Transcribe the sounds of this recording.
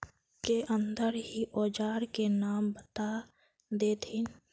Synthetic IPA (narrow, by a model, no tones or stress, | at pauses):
keʔə̃nd̪əɾɦiʔɔːd͡ʒaːɾkenaːmbət̪a | d̪eːt̪ʰɪn